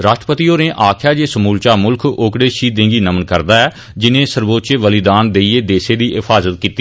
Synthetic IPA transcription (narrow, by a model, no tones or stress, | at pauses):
ɾaːʃʈɾəpət̪iːoːnẽːʔaːkʰjaːd͡ʒeːsəmuːlt͡ʃaːmʊlkʰoːkɽeːʃiːd̪ẽːɡiːnəmənkəɾd̪aːɛː | d͡ʒɪnẽːsəɾboːt̪t͡ʃeːʋəlɪd̪aːnd̪eːieːd̪eːseːd̪iːʔɪfʰaːzət̪̚kiːt̪iː